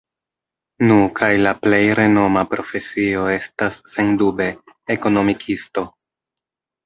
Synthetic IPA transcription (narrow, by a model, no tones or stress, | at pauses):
nukʰajlaple̞jɾe̞no̞mapɾo̞fe̞sio̞e̞stasːe̞ndube̞ː | ko̞no̞mikʰisto̞